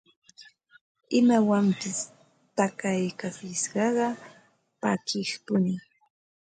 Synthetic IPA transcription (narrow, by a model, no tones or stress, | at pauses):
ɪmawampɪs | t̪akajkasɪʃɢɑɢɑ | pakɪχpʊnɪ